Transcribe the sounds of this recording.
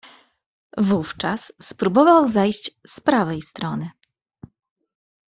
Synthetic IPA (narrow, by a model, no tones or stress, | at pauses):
vuft͡ʂasːpɾubɔvawzajɕt͡ɕspɾavɛjst̪ɾɔnɘ